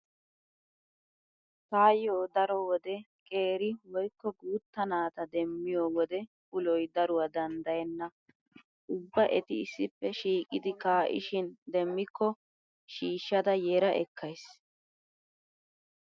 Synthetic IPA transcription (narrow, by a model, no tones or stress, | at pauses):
t̪aːjoːd̪ɐɾɔwɔd̪ɛ | kʼe̞ːɾɪwɔjkːɔɡuːt̪ːɐnaːt̪ɐd̪ɛmːɪjoːwɔd̪ɛ | ʔʊlɔjd̪ɐɾʊwɐd̪ɐnd̪ɐjɛnːɐ | ʊbːɐʔɛt̪ɪɪsːɪpːɛʃiːkʼɪd̪ɪkaːʔɪ̰ʃɪnd̪ɛmːɪkʰːɔ | ʃiːʃːɐd̪ɐjɛɾɐʔɛ̰kʰːɐjs